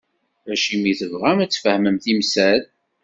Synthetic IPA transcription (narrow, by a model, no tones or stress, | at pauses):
æʃimiθəvʁæmæt͡sːfəhməmθimsæð